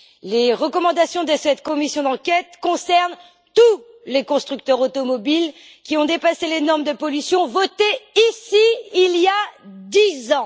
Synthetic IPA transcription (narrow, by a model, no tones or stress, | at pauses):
leʁəkɔmɑ̃d̪asjɔ̃d̪əsɛt̪kɔmisjɔ̃d̪ɑ̃kʲɛt̪kɔ̃sɛʁn | t̪u | lekɔ̃st̪χyk̚t̪œʁot̪ɔmɔbil | kʲiɔ̃d̪epaselenɔʁmd̪əpɔlysjɔ̃vɔt̪eisiiljad̪izɑ̃